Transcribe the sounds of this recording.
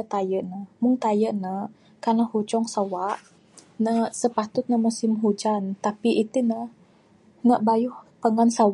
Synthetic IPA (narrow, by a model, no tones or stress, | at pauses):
ət̪ajəʔnəhmʊŋt̪ajəʔnə | karnəhut͡ʃɔŋsawaʔ | nəhsəpat̪ʊt̪̚nəmusɪmɦud͡ʒant̪apiʔit̪unəh | nəʔbajuhpəŋansaw